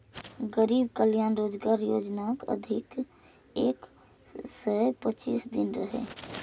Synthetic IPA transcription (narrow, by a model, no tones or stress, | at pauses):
ɡəɾibkəljanɾod͡ʒɡaɾjod͡ʒnakə̰d̪ʱik | ek | səpət͡ʃḭsd̪inɾəɦḛ